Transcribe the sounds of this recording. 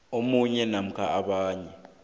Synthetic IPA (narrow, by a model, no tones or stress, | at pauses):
omuɲɛnam̩kʰaʔaɓaːɲɛ